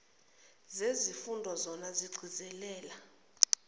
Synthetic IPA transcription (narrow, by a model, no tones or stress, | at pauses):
zezifundʱɔzɔnaziɡ͡ǀʱizɛlɛːla